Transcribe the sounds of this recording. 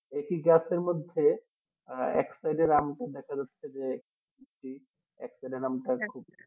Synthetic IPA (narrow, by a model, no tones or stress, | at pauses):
ekiɡaseɾmod̪ʱːe | ɛ̰ksajɖeɾamʈad̪ɛkʰad͡ʑatːɕʰed͡ʑek | it͡ʃi | ɛ̰ksajɖeɾamʈakʰub̚